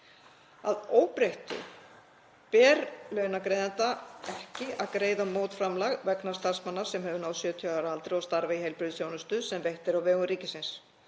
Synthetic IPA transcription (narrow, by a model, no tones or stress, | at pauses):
aðoːwpɾejht̪ʏ̰ | pɛːɾlœɥnakɾeːjðant̪aɛhcɪaðkɾeːjðamowt̪fɾamlaɣvɛknast̪ar̥smanːḁsɛmɦœːvʏnaːwsjœːt̪ʰiaɾalt̪ɾɪɔst̪aɾvaiɦejlpɾʏðθjownʏst̪ʏsɛmvejht̪ɪɾawvɛːɣʏɾiːcɪsɪns